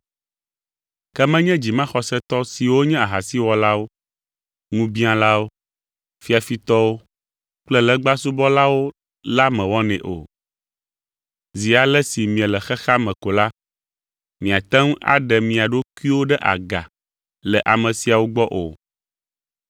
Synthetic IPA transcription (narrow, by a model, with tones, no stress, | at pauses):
kɛ˦mɛ̃˦ɲɛ̃˦d͡ʑi˨mã˦xɔ˨sɛ˦t̪ɔ˦si˨wo˦ɲɛ̃˦a˨ɦa˨si˦wɔ˨la˦wo˦ | ŋũ˦bĩ˦ã˨la˦wo˦ | fi˦a˨fi˦t̪ɔ˦wo˦ | k͡plɛ˦lɛ˦ɡ͡ba˦su˦bɔ˦la˦wo˦ | la˦mɛ̃˨wɔ˦nɛ̰̃˨ʔo̰˨ | zi˨a˨lɛ˦si˨mĩ˨ɛ̃˨lɛ˨xɛ˦xa˦mɛ̃˨ko˨la˦ | mĩ˨a˨t̪ɛ̃˦ŋ˦a̰˨ɖɛ˨mĩ˨a˨ɖo˦ku˦i˦wo˦ɖɛ˦ʔa̰˨ɡa̰˨ | lɛ˨ʔa˨mɛ̃˨si˨a˨wo˦ɡ͡bɔ˦ʔo̰˨